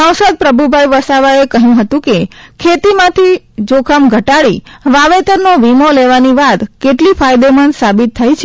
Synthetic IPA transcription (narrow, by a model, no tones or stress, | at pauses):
ə̃wsəd̪̚pɾəbʱubʱajʋəsaʋaekəɦjũɦət̪ũkekʰet̪imãt̪ʰi | d͡ʒokʰəmɡʱəʈaɽiʋaʋet̪əɾnoʋimoleʋaniʋat̪keʈlifʰajd̪emənsabit̪ʰːajt͡ʃʰe